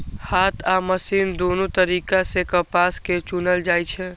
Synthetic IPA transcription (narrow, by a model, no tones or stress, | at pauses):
haːt̪ʰaməsind̪onot̪əɾiːkasekəpasket͡ʃunəld͡ʒaːjt͡ʃʰɛ